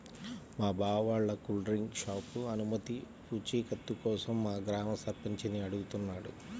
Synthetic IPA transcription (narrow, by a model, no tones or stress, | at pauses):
maːbʱaːʋaːɭːɐkulɖɾiŋɡʃaːpuɐnumɐt̪i | puːt͡ʃiːkɐt̪ːukɔːsɐmːaːɡɾaːmɐsɐɾpiɲt͡ʃiniɐɽuɡut̪unːaːɽṵ